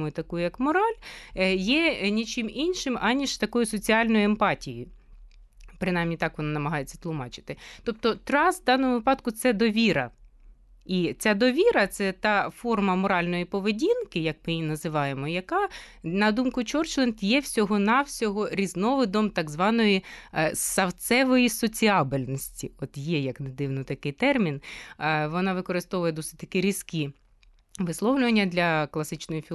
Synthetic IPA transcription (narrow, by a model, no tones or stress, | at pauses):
mʊjt̪ɐkujʊjɐkmɔɾɑlʲjɛnʲit͡ʃɪminʲʃɪmɑnʲiʃt̪ɐkɔjʊsɔt͡sʲiɑlʲnɔjʊempɑtʲijʊ | pɾɪnɑjmnʲit̪ɑkʋɔnɑnɐmɐɦɑjet͡sʲːɐ̥t̪lˠʊmɑt͡ʃɪ̥t̪ɪt̪ɔp̚t̪ɔt̪ɾɑsd̪ɑnɔmʊʋɪpɑd̪kʊt̪sɛd̪ɔʋʲiɾɐ̰ | it͡sʲad̪ɔʋʲiɾɐt̪sɛt̪ɑfɔrmɐmɔɾɑlʲnɔjipɔʋedʲinkɪjɐkmɪjinɐzɪʋɑjemɔjɐkɑnɐd̪umkʊt͡ʃɔrt͡ʃlˠent̪jɛwsʲɔɦɔnɑwsʲɔɦɔɾʲiznɔʋɪd̪ɔmt̪ɑɡzʋɑnɔjisɐwt̪sɛʋɔjisɔt͡sʲiɑbɪlʲnɔsʲtʲiɔt̪jɛjɐkned̪ɪwnɔt̪ɐkɪjt̪ɛrmʲinʋɔnɑʋɪkɔɾɪst̪ɔʋʊjɛd̪ɔsɪ̥tʲt̪ɐkɪɾʲiskʲi | ʋɪslˠɔwlʲʊʋɐnʲːɐd̪lʲɐklˠɐsɪt͡ʃnɔjɔfʲi